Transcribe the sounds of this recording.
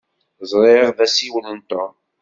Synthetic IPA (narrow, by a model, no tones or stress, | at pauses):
zˤɾˤeʁðæsiwələnt̪ɑ